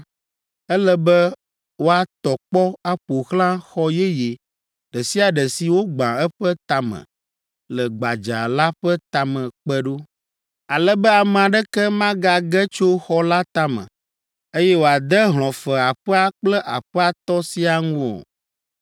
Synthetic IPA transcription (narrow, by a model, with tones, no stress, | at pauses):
ɛ˦lɛ˦bɛ˦ | wo˦a˨t̪ɔ˨k͡pɔ˦a˦ɸo˨xlã˦xɔ˦jɛ˦je˨ | ɖɛ˨si˦a˨ɖɛ˨si˨wo˦ɡ͡bã˨ɛ˦ɸɛ˦t̪a˨mə̰̃˨ | lɛ˨ɡ͡ba˨d͡ʒa̰˨la˦ɸɛ˦t̪a˨mɛ̃˨k͡pɛ˦ɖo˦ | a˨lɛ˦bɛ˦a˨mɛ˨a˨ɖɛ˦kɛ˦mã˦ɡa˨ɡɛ˦t͡ʃo˦xɔ˦la˦t̪a˦mə̰̃˨ | e˦jɛ˦wo˨a˨d̪ɛ˦ɦl̃ɔ̃˨fɛ˨a˨ɸɛ˦a˦k͡plɛ˦ʔa˨ɸɛ˦a˨t̪ɔ˦si˦a˨ŋũ˦o̰˨